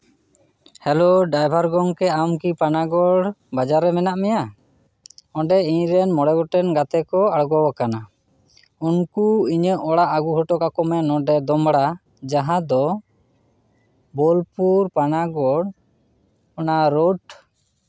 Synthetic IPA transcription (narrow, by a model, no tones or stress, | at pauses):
hɛloɖajbʱaɾɡɔŋkɛamkipanaɡɔɽbad͡ʒaɾɛmɛnaʔmɛja | ɔ̃ɖɛiɲɾɛnmɔɽɛɡɔʈɛnɡat̪ɛkɔaɽɡɔwakana | unkuiɲəʔɔɽaʔaɡuɦɔʈɔkakɔmɛnɔɖɛd̪ɔmɽa | d͡ʒaɦãd̪ɔ | bɔlpuɾpanaɡɔɽ | ɔnaɾoʈ